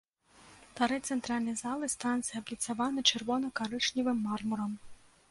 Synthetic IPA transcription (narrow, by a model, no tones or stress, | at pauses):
t̪ɐɾɛt̪sɛnt̪ɾɑlʲnijzɑlˠɪst̪ɾɑnt̪sɨjɐblʲit̪sɐʋɑnɪt͡ʃerʋɔnɔkɐɾɪt͡ʃnʲiʋɪmːɑrmɔɾɔm